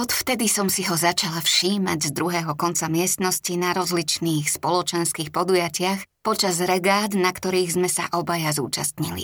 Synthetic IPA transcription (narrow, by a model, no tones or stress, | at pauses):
ɔt̪ft̪ɛd̪isɔmsiɦɔzat͡ʃalafʃiːma̰ɟzd̪ɾuɦɛːɦɔkɔnt͡samɪɛst̪nɔscinaɾɔzlit͡ʃniːxspɔlɔt͡ʃɛnskiːxpɔd̪ujacɪaxpɔt͡ʃazɾɛɡaːd̪nakt̪ɔɾiːɣzmɛsa̰ʔɔbajazṵːt͡ʃa̰st̪ɲḭlḭ